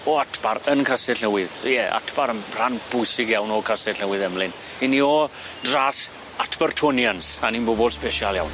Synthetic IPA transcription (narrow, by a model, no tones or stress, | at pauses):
ɔatʰb̥aɾənkʰasɪɬnəwɪðjɛa̰tʰb̥aɾənr̥anb̥ʊjsɪɡjawnɔkʰasɪɬnəwɨðɛmlˠɪn | iniɔ | dras | atʰb̥ərtʰɔnjansaninbɔbɔlˠspɛʃalˠja̰wn